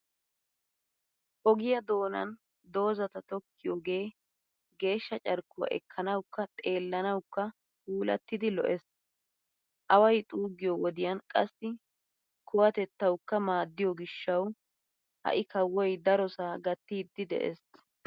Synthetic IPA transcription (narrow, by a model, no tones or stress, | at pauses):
ʔɔɡɪjɐd̪o̞ːnɐ̰n | d̪o̞ːzɐt̪ɐt̪ɔkʰːɪjɔɡe̞ː | ɡe̞ːʃːɐt͡ʃʼɐɾkːʊwɐ̰ʔɛ̰kʰːɐnɐwkːɐt̪ʼe̞ːlːɐnɐwkːɐ | pʰuːlɐ̰t̪ːɪd̪ɪlɔ̰ʔɛs | ʔɐwɐjt̪ʼuːɡɪjɔwɔd̪ɪjɐnkʼɐsːɪ | kʊwɐt̪ɛt̪ːɐwkːɐmaːd̪ːɪjɔɡɪʃːɐw | hɐ̰ʔɪkɐwːɔjd̪ɐɾɔsaːɡɐt̪ːiːd̪ːɪd̪ɛ̰ʔḛs